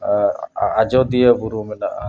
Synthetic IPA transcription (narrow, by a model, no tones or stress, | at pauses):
ad͡ʒɔd̪ijəbuɾumɛnaʔ